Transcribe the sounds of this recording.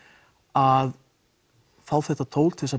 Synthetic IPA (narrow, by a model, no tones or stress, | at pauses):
að | θawθɛht̪at̪ʰoːwlt̪ʰɛsa